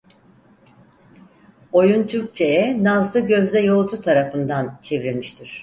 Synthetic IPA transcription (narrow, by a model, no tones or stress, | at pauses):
o̞junt̪ʰyɾk̚t͡ʃʰejɛnazlɯɟøzd̪ɛjo̞lˠt̪ʰut̪ʰaɾafɯnd̪ant͡ʃʰe̞vɾemiʃt̪ʰiɾ̥